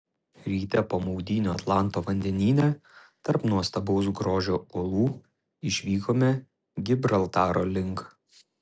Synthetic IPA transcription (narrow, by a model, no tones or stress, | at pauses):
ɾʲiːt̪ʲɛpoːmɔʊd̪ʲiːnʲoːɐt̪lˠɑˑnˑt̪oːʋɐnʲd̪ʲɛnʲiːnʲɛ | t̪ɐɾpnuɔst̪ɐbɔʊsɡɾoːʒʲoːulˠuː | ɪʃʲʋʲiːkoːmʲɛ | ɡʲɪbʲɾɐlˠt̪ɑːɾoːlʲɪŋk